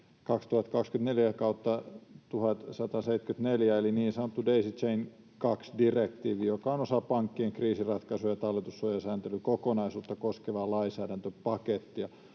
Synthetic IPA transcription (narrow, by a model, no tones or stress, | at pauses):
kɑkst̪uhɑt̪kɑkskynt̪neljækɑut̪ːɑt̪uhɑt̪sɑt̪ɑseit̪kyt̪neljæeliniːnsɑnot̪ːudeisit͡ʃein | kɑksdirekt̪iːʋiːjokɑonosɑpɑŋkːieŋkriːsirɑt̪kɑsujɑt̪ɑlːet̪usːojɑsæːnt̪elykokonɑisuːt̪ːɑkoskeʋɑːlɑisæːɾænt̪øpɑket̪ːiɑ